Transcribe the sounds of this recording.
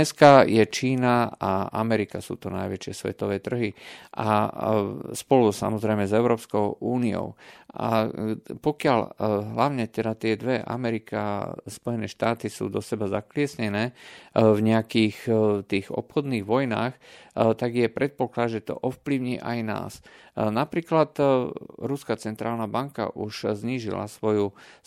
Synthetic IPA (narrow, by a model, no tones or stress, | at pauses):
ɲɛskajɛt͡ʃiːnaaʔa̰mɛɾikasṵːt̪ɔna̰jʋɛt͡ʃɪɛsʋɛ̰t̪ɔʋɛːt̪r̩ɦiʔa̰ | spɔlusa̰mɔzɾɛjmɛzɛʊɾɔːpskɔʊʔuːniɔ̰ʊa̰pɔkɪaʎɦlaʊɲɛt̪ɛd̪at̪ɪɛd̪ʋɛʔa̰mɛɾika̰spɔjɛnɛːʃt̪aːt̪isṵːd̪ɔsɛbazaklɪɛsɲɛnɛːvɲɛakiːxt̪iːɣɔ̰pxɔd̪niːɣʋɔjnaːxt̪aɡjɛpɾʔɛt̪̚pɔklad̪ʒɛt̪ɔ̰ʔɔfpliʊɲiːʔa̰jna̰ːs | napɾiːklat̪ɾuskat͡sɛnt̪ɾaːlnabaŋka̰ʔuʃzɲiːʒḭla̰sʋɔju